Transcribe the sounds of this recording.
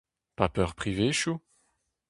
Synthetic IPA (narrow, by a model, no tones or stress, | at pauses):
papœʁpχiveʃu